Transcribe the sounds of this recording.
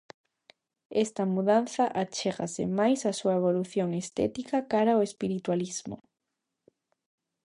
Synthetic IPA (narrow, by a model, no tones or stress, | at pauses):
ɛst̪ɐmuðan̟θɐʔat͡ʃeɣa̰sɪ̰majsasuɐeβ̞oluθjoŋest̪ɛ̰t̪ikakaɾaoespiɾit̪walizmʊ̰